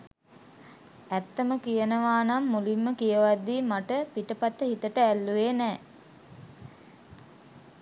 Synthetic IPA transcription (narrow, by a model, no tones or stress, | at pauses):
æt̪ːəməkijənəʋaːnamːulimːəkijəʋad̪ːiːmaʈəpiʈəpat̪ːəɦit̪əʈəælːuʋeːnɛː